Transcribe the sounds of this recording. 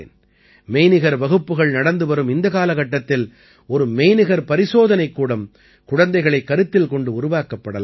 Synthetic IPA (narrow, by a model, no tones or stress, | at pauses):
n | mejnɪɣɐɾʋɐɣɯpːɯɣɐɭnɐɽɐnd̪ɯʋɐɾɯmɪnd̪ɐkaːlɐɣɐʈːɐt̪ːɪl | ɔɾɯmejnɪɣɐɾpɐɾɪsoːðɐnɐɪkːuːɽɐm | kʊɽɐnd̪ɐɪɣɐɭɐɪkːɐɾɯt̪ːɪlkɔɳɖɯʊɾʊʋaːkɐpːɐɽɐlː